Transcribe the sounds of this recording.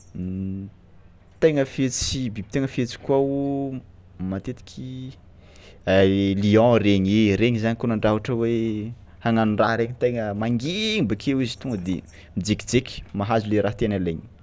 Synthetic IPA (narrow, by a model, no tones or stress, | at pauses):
t̪eŋəfet͡sibibi̥t̪eŋəfet͡si̥kuau | mat̪et̪i̥kʲʰi | aliɔ̃ɾeɲeɾeɲizaɲikonaɳɖ͡ʐavaʈ͡ʂəwe | haŋanunraɾeɲit̪ejŋəmaŋɡibakʰewizi̥t̪uŋɡəd̪ḛ | mid͡zeki̥d͡zekʲi̥maɦazuleɾaɦt̪enaleɲi̥